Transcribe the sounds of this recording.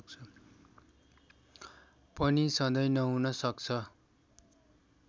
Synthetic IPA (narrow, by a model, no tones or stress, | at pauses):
k̚t͡sʰʌ | pʌnisʌ̃d̪ʌjnʌɦunʌsʌkt͡sʰʌ